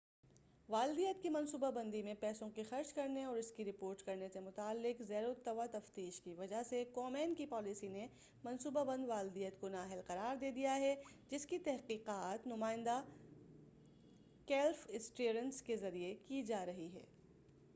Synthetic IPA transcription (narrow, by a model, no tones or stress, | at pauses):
ʋaːld̪ijət̪̚kimɐ̃nsuːbabɐ̃nd̪imẽpɛːsõkixɐɾt͡ʃkɐɾneɔːɾɪskiɾɪpoːɾʈkɐɾnesemʊt̪aːlːɪqzɛːɾot̪ːɐʋat̪ɐft̪iːʃkiʋɐd͡ʒasekɔːmɛːnkipɔːlɪsine | mɐ̃nsuːbabɐ̃nd̪ʋaːld̪ijət̪konaːɦɪlqɐɾaːɾd̪eːd̪ijaɦɛd͡ʒɪskit̪ɛɦqiːqaːt̪nʊmaːɪ̃nd̪a | kɛːlfɪsʈeːɾə̃nskezɐɾiekid͡ʒaːɾɐɦiɦɛ̰ː